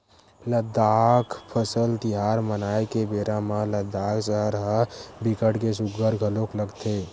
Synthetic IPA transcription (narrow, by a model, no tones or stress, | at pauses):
ləd̪akʰpʰəsəlt̪iɦaɾmənaekebeɾamə̃ləd̪aksəɦəɾɦəbikəʈkesuɡəɾɡʱəlokləɡt̪ʰe